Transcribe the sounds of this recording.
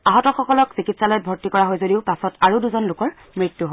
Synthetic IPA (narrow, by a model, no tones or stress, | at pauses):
aɦɔtɔxɔkɔlɔksikitsalɔjɛbʱɔɹtikɔɹaɦojzodiʊpasɔtaɹuduzɔnlʊkɔɹ | mɹitːuɦɔ